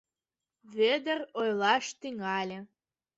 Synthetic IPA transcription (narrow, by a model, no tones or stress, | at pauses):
ved̪ərojlˠɑʃt̪iŋɑlʲĕ